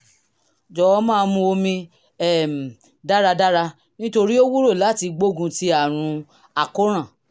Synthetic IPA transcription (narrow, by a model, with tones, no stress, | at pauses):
d͡ʒɔ˨ɔ˧˦mãː˦˧mũ˧o˧mĩ˧ | ɛ˦˨m˨ | da˦ɾa˧da˦ɾa˧ | nĩ˦to˧ɾi˦o˦wu˦ɾo˦˨la˨˦ti˧ɡ͡bo˦ɡũ˧ti˧a˦˨ɾ̃ũ˧ | a˨ko˦ɾ̃ã˦˨